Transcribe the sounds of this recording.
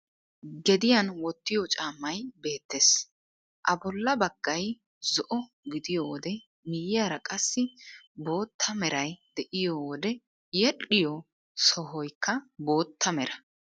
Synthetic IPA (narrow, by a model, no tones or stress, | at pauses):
ɡɛd̪ɪjɐnwɔt̪ːɪjɔt͡ʃʼaːmːɐjbe̞ːt̪ːeːs | ʔɐbɔlːɐbɐɡ̥ːɐj | zɔʔɔ | ɡɪd̪ɪjoːwɔd̪ɛ | mɪjɪjaɾɐkʼɐsːɪbo̞ːt̪ʰːɐmɛɾɐjd̪ɛʔɪjoːwɔd̪ɛ | jɛɗʼɪjɔ | sɔɦɔjkʰːɐbo̞ːt̪ːɐmɛɾɐ